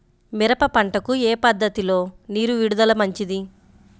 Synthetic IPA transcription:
miɾɐpɐpɐɳʈɐkueːpɐd̪ːɐt̪ilo̞ːniːɾuʋiɽud̪ɐlɐmɐɲt͡ʃid̪i

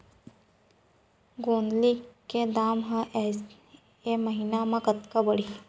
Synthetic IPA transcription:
ɡoːnliked̪aːmɦãʔɛs | eməɦinamãkət̪kabəɽi

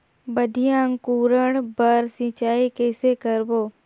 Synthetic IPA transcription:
bəd̪ʱijãŋkuːɾəɽbəɾsĩt͡ʃaːikɛːsekəɾboː

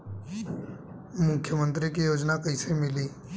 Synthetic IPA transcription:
mʊkʰjəmə̃nt̪ɾikijoːd͡ʒnakəɪsemɪliː

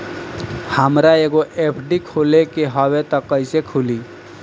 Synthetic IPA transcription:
həmɾaeɡoʔepʰɖikʰolekeɦɔwet̪ɔkəɪsekʰuli

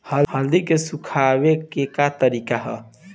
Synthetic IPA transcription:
həhəld̪ikesukʰabekekat̪əɾikaɦə̰

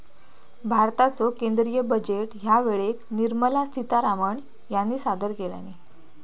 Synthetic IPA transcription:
bʱaɾt̪at͡sokend̪ɾijəbəd͡ʑeʈɦjaʋeɭekniɾməlast̪ʰit̪aɾaməɳ | janːiːsad̪əɾkela̰ni

